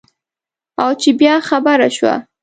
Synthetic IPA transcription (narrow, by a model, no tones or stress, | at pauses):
awt͡ʃebjɑxabaɾaʃwa̰